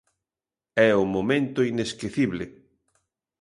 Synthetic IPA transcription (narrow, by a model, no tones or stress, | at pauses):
ɛʊmomẽnt̪ʊineskeθiβlɪ